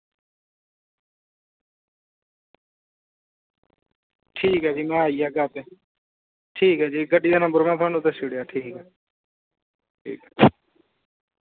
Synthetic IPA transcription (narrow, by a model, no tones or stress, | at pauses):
ʈʰiːkɦɛːd͡ʒiːmɛ̃ːaːiaːɡaːt̪eː | ʈʰiːkɦɛːd͡ʒiːɡəɖiːd̪aːnəmbəɾmɛ̃ːt̪ʰaːnũt̪asɪɽejaːʈʰiːkɦɛː | ʈʰḭːkɛ